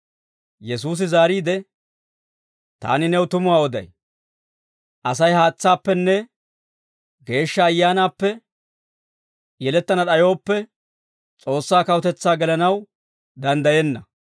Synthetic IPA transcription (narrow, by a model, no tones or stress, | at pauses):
jɛsuːs̬ɪzaːɾiːd̪ɛ | t̪a̰ːnɪnɛwt̪ʊmʊwaːɔd̪ɐ̰j | ʔɐsɐjhaːt͡sːaːpːɛnːɛ | ɡe̞ːʃːɐːjːaːnaːpːɛ | jɛlɛt̪ːɐnɐɗɐjo̞ːpːɛ | t͡sʼo̞ːsːaːkɐwʊt̪ɛt͡sːaːɡɛlɐnɐw | d̪ɐnd̪ɐjɛnːɐ